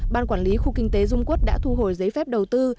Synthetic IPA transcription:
ɓaː˧nkwaː˧˩nli˨˦xu˧kï˧ŋ̟t̪e˨˦zʊ˧ŋ͡mku˦˥t̚ɗa̰ː˧˥t̪ʰu˧ɦo˨˩jzə˨˦jfɛ˦˥p̚ɗə˨˩wt̪ɨ˧

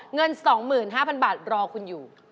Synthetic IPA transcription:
ŋɤ˧nsɔː˩˦ŋmɯː˨˩nɦaː˥˩pʰa˧nbaː˨˩t̪̚ɾɔː˧kʰu˧njuː˨˩

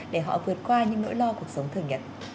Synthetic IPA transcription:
ɗe˧˩ɦɔ̰˧˨vɨ˨˩ət̚kwaː˧ɲɨ̰˧˥ŋno̰˧˥jlɔ˧ku˨˩ək̚sə˨˦wŋ͡mt̪ʰɨ˨˩əŋɲə˨˩t̚

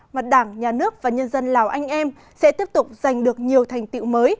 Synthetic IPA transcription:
ma˨˩t̚ɗaː˧˩ŋɲaː˨˩nɨ˦˥ək̚vaː˨˩ɲə˧nzə˧nlaː˨˩wʔa˧jŋ̟ʔɛ˧m | sɛ̰˧˥t̪i˦˥əp̚t̪ʊ˨˩k͡p̚z̥a˨˩jŋ̟ɗɨ˨˩ək̚ɲi˨˩əwt̪ʰa˨˩jŋ̟t̪ḭ˧˨wməː˨˦j

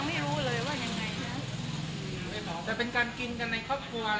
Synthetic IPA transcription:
ma˥˩jɾuː˦˥lɤː˧jwaː˥˩ja˧ŋːa˧jna˦˥˨ | t̪ɛː˨˩pe˧nkaː˧nki˧nka˧nːa˧jkʰɔː˥˩p̚kʰu˧ɐ

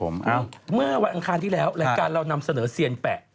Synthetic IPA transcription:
o˩˦mʔa˧˩mɯ˥˩ɐwa˧nʔa˧kʰaː˧nt̪ʰiː˥˩lɛː˦˥wla˨˩˦kaː˧nɾa˧wna˧msa˧nɤː˩˦siː˧ənpɛː˨˩

